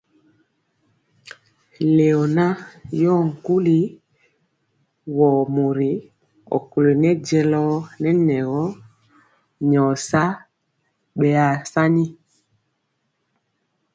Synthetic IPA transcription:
le˨ɔ˨na˦jɔ˦˨ŋ̩˨ku˦li˦ | wɔ˨mo˨ɾi˨˦ | ɔ̰˨ku˨le˨nɛ˦d͡ʒɛ˦˨lɔ˦nɛ˦nɛ˨ɣɔ˦ | ɲɔ˨sa˦ | ɓɛ˨a˨sa˦ni˦

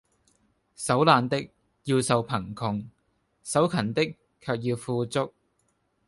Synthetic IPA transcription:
sɐ˨˥wlaː˨nt̪ɪ˥k̚ | jiː˧wsɐ˨˧wpʰɐ˨˩ŋkʰʊ˨ŋ | sɐ˨˥wkʰɐ˨˩nt̪ɪ˥kʰː | œː˧k̚jiː˧wfuː˧t͡sʊ˥k̚

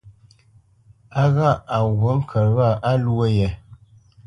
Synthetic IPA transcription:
a˦ɣa˦˨a˨wə˦ŋ̩˦kʰə˨ɾɣa˦˨ʔa˦lwə˦jɛ˨

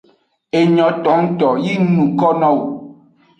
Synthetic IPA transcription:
e˨ɲɔ̃˨t̪ɔ˨˦ŋ̩˦t̪ɔ˨ji˦nũ˨kɔ˦nɔ̃˦˨wo˨

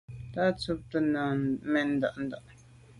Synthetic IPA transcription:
t̪a˦t͡su˦p̚t̪ə˨nã˨mɛ̃˨ʔn˦d̪a̰˨ʔnd̪a˨ʔ

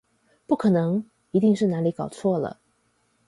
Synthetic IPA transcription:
pu˥˩kʰɤ˨˩nɤ˧˥ŋ | i˧˥t̪i˥˧ŋʂɻ̩˥˩na˧˥li˧˥kɑ˨˩ʊt͡sʰwɔ˥˩lə̰˩

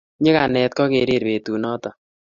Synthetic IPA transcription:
ɲɪ˦ka˨nɛ˨t̪̚kɔ˦ke˨ɾe˨ɾβe˨t̪u˨nɔ˦t̪ɔ˨

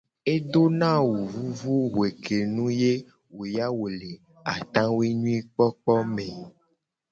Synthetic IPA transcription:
e˦do˦nã˦wu˨vu˦vu˦ɦe˨ke˨nũ˦je˦ | wo˨ja˦wo˨le˨ | a˨t̪ã˦wi˦ɲũ˦i˦k͡pɔ˦k͡pɔ˦mẽ˨

